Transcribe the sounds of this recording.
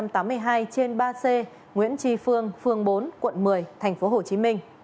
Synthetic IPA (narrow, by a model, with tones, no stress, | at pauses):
mt̪aː˨˦mːɨ˧əjɦaː˧jt͡ɕe˧nɓaː˧se˧ | ŋwḭ˧˥ənt͡ɕi˧˩fɨ˧əŋfɨ˧əŋɓo˨˦nkwə̰˧˨nmɨ˨˩əjt̪ʰɛ˨˩jŋ̟fo˨˦ɦo˧˩t͡ɕi˨˦mï˧ŋ̟